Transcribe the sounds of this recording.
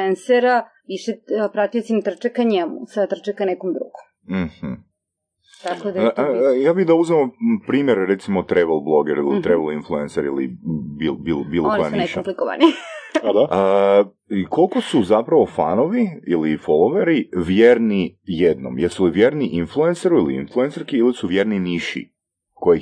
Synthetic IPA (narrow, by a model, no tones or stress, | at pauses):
enseɾa | ʋiʃepɾat̪ijosimt̪r̩t͡ʃekːaɲemṵsat̪r̩t͡ʃekanekomd̪ɾṵɡ̥om | m̩hm̩ | t̪akod̪ajaːbid̪auzeompɾiːmjeɾɾet̪simot̪ɾeʋelˠblˠo̞ɡeɾilit̪ɾeʋelinflˠuenseɾḭlḭbilbilobiːlˠokojanineʃamplikoʋa̰nid̪aə | iko̞lˠko̞suzapɾaʋo̞fa̰noʋiilifolˠoʋeɾiʋjeːɾnijed̪no̰mjeɾsuliʋje̞ɾniʔinflˠuenseɾuilḭḭnflˠuensaɾkiilisuʋje̞ɾniniʃḭ | koji